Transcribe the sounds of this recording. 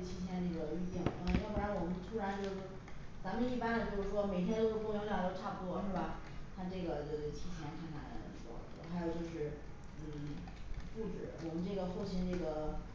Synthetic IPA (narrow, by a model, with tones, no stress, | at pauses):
t͡ɕʰi˥t͡ɕʰjɛ˥˧nɤ˥˩ɡə˩y˥˧t̪i˥˩ŋ˧˥˩xu˥˩ɻa˧˥nwɔ˨˩mə˦nt̪ʰu˥ɻa˧˥nt͡ɕjo˥˧ʊʂ̩˥˩ | t͡sa˧˥mə˧˥i˥˩pa˥nd̪ə˨t͡ɕo˥˧ʊʂɻ̩˥˩ʂwɔ˥me˨˩ɪt̪ʰjɛ˥nt̪o˥ʊʂ̩˥˩t̪wjŋljɑ˨˩ə˥ʈ͡ʂʰa˥˩t̪ɔ˥ʂɻ̩˥˩ba˨˩ | t̪ʰa˥ʈ͡ʂɤ˥˩ɡə˩t͡ɕo˥˧˩t͡ɕo˥˩t͡ɕʰi˥t͡ɕʰjɛ˧˥nkʰa˥˩nʰa̰˨˩˧wɔ̰˥˩˨xa˧˥ɪjo˨˩ʊt͡ɕo˥˧ʊʂɻ̩˥˩ | n̩˥˩ | fu˥˩ʈ͡ʂɻ̩˨˩˥wɔ˨˩mə˦nʈ͡ʂɤ˥˩ɡə˩xɔ˥˩t͡ɕʰi˧˥nʈ͡ʂɤ˥˩ɡə˩